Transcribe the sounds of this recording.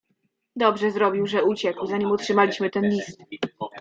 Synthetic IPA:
d̪ɔbʐɛzɾɔbʲiwʐɛut͡ɕɛkwzaɲimɔtʂɘmalʲiɕmɘt̪ɛnlʲist̪̚

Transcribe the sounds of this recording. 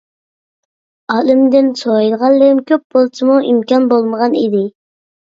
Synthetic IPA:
ɑːlɪmd̪ɪnsojilˠʁɑlˠlɨmkʲʰøp̚bolˠt͡ʃʰɨmuʔimkʲɑnbolˠməʁɑnid̪ɪ

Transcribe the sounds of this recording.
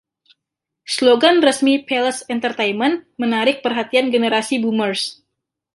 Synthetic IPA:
sloɡanrəsmipɛləsɛnt̪ərt̪ejmənmənaɾɪk̚pərɦat̪ianɡənəɾasibumərs

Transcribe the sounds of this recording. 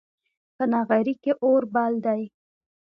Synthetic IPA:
pənɑɣaɾikeʔoɾbald̪aj

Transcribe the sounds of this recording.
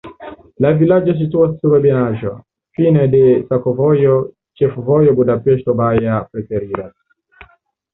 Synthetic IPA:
lavilad͡ʒɔs̬ituasuɾɛbɛnaʒɔ | finɛdɛsakɔvɔjɔ | t͡ʃɛfuvɔjɔbudapɛʃtɔbajapɾɛfɛɾiɾa

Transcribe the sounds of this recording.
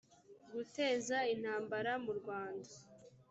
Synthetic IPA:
ɡute̞ːzain̥haːmbaɾamuɾɡwaːnda

